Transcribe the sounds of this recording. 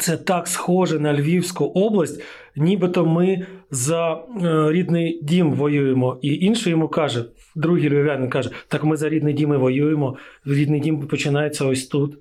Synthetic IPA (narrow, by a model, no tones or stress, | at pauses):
t̪sɛt̪ɑksxɔʒɛnɐlʲʋʲiwsʲkʊʔɔblˠɐsʲtʲ | nʲibɪt̪ɔmɪzɐɾʲid̪nɪjdʲimʋɔjujemɔiʔinʃɛjɔmukɑʒɛ | d̪ɾuɦijlʲbʲɔʋʲanɪnʲkɑʒɛt̪ɑkmɪzɐɾʲid̪nɪjdʲimɪʋɔjujemɔɾʲid̪nɪjdʲimpɔt͡ʃɪnɑjet͡sʲːɐɔsʲt̪ut̪